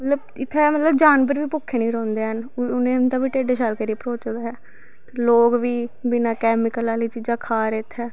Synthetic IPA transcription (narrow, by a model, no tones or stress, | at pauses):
mət̪ləb | ɪt̪ʰːeːmət̪ləbd͡ʒaːnbəɾʋiːpʊkʰːeːnĩːɾɔ̃ːnd̪eːɦənʊnẽːnt̪ãːbiːʈeːɖeːʃalkəɾipɾoːt͡ʃd̪aːɦɛː | t̪eːloːɡʋiːbɪnãːkɛːmɪkəlaːliːt͡ʃiːd͡ʒãːkʰaːɾeːt̪ʰːɛː